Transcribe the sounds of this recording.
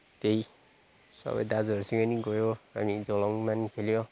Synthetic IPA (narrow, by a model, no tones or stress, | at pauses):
t̪ej | sʌ̰bʌ̰jd̪ad͡zʌɾusiŋʌniɡɔjoɦamid͡zɔlɔŋmankʰeljo